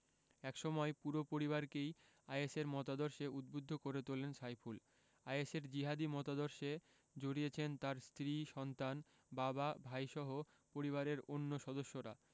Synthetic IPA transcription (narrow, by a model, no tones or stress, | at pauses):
ɛkʃɔmɔepuɾopoɾiβaɾkej | ajeseɾmɔt̪ad̪oɾʃeud̪̚bod̪ʱːokoɾet̪olenʃajpʰul | ajeseɾd͡ʑiɦad̪imɔt̪ad̪oɾʃe | d͡ʑoɽiet͡ɕʰent̪aɾst̪ɾiʃɔnt̪an | bababʱajʃɔɦo | poɾiβaɾeɾonːoʃɔd̪oʃːoɾa̰